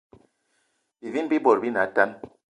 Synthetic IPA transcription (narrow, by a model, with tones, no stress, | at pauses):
bi˨vi˦nbi˦bɔ˨ɾbi˦na˨˦ta˦n